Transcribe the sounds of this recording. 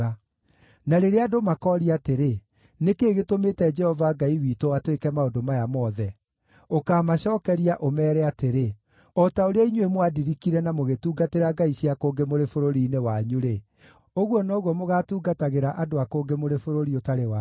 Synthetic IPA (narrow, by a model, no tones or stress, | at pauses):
a | naɾeɾeadomakɔɾiateɾe | nekeːɣetometɛd͡ʒɛhɔvaɡaiwiːtowatwekɛmaodomajamɔːðɛ | okaːmaɕɔːkɛɾiaʔomɛːɾɛateɾe | ɔtaoɾeaiɲwemwadiɾikiɾɛnamoɣetuːɡateɾaɡaiɕiakoːŋɡemoɾefoɾoɾiːnewaɲuɾe | oɣwɔnɔɣwɔmoɣaːtuːɡataɣeɾaʔadoakoːŋɡemoɾefoɾoɾiotaɾewa